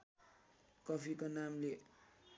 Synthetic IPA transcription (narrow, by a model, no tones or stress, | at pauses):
kʌpʰikonamle